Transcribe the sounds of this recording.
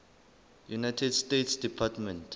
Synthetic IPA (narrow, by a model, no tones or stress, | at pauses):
junajtʰɛdstetsdipʰatmɛ̃nt